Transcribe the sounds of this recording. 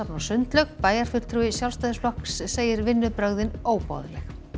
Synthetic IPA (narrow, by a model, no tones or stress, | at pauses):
apnasʏnt̪lœkpaːjaɾ̥fʏ̥t̪ʰɾuːɪsjawlst̪aːjðɪsflɔksːeːjɪɾvɪnːʏpɾœɣðɪnoːwpɔ̰ðlɛx